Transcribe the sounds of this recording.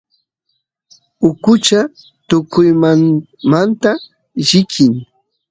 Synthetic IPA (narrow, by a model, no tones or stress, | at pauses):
ʊkʊt͡ʃa | t̪ʊkʊjman | mant̪a | ʒɪkʰɪŋ